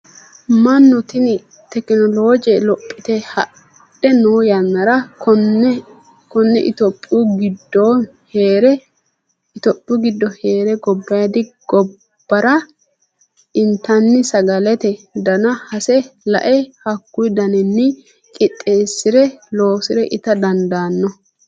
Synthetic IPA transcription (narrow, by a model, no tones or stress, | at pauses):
mɐnːɔt̪ɪnɪ | t̪ɛkɪnɔloːd͡ʒɛlɔpʼːɪt̪ɛhɐ | ɗɛnoːjɐnːɐɾɐɔn | kɔnːɛʔɪt̪ɔpʼːuɡɪd̪ːɔ | heːɾɛ | ɪt̪ɔpʼːuɡɪd̪ːɔheːɾɛɡɔbːɐjɐd̪ɪɡ̥ɔ | b̥ːɐɾɐ | ɪnt̪ːɐnːɪsɐɡɐlɛt̪ɛd̪ɐnɐhɐsɛlɐ̰ʔɛhɐkːʊjd̪ɐnɛnːɪ | kʼɪt̪ʼːeːsːɪɾɛlo̞ːsɪɾɛʔɪt̪ɐd̪ɐnd̪aːnːɔ